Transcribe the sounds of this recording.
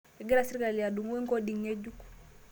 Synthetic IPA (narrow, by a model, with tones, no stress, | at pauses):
e˨ɡɛ˦lasi˦ɾkalijadu˨ŋ˦we˦ŋko˦di˨ŋɲe˦d͡ʒuk